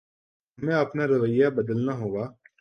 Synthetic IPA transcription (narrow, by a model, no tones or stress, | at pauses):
mẽɐpnaɾɐʋəjːabəd̪əlnaɦoːɡaː